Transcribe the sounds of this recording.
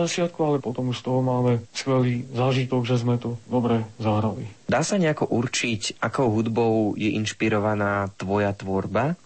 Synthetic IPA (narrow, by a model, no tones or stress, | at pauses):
at͡ʃɪat̪̚kualɛpɔt̪ɔmuʃst̪ɔɦɔmaːmɛskʋɛliːzaːʒit̪ɔɡʒɛzmɛt̪ɔd̪ɔbɾɛzaɦɾalid̪aːsaɲɛakɔʔurt͡ʃicʔakɔʊɦud̪bɔʊjɛʔinʃpiɾɔʋanaːt̪ʋɔjat̪ʋɔɾba